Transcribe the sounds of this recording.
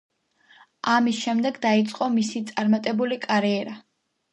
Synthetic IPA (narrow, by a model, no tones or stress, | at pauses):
amisʃɛmd̪ɛɡd̪ait̪sʼqʼɔmisit̪sʼaɾmat̪ʼɛbulikʼaɾiɛɾa